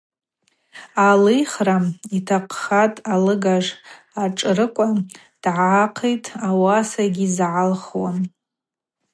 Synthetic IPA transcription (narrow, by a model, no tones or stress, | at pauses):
alɨjχramitʰaqʰʼχatʼalɨɡaʐ | aʈ͡ʂʼrɨkʷʼa | d̥ʕaqʰejtʼawasaɡʲizʕalχwa̰n